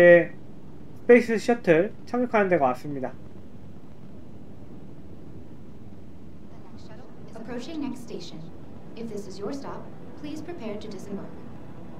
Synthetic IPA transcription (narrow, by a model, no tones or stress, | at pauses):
e | sʰɯ̥pe̞is͈ʰɯɕʰʌtʰɯɾt͡ɕʰʌŋjʌkʰanɯndeɡamas͈ɯmɲida | nɛk | əpʰɹ̥oʊt͡ʃɪ̃ŋnɛkststeɪʃɨ̃n | ɨfðɪsɨzjə˞stɑpʰː | l̥iz̥pʰɹ̥ipʰɛɹ̚tʰɨdɪsnbə˞k